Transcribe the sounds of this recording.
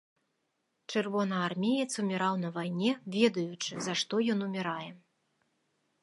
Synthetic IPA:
t͡ʂɨrvɔn̪ɐarmʲejɛt̪sumʲɛɾawnɐvajnʲɛvʲɛd̪ɐjut͡ʂɨzaʂt̪ɔjɔnumʲiɾajɛ

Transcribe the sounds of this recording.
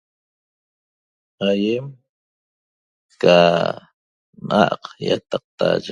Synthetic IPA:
ajem | ka | na̰ʔqja̰t̪ɑq̚t̪aʒ

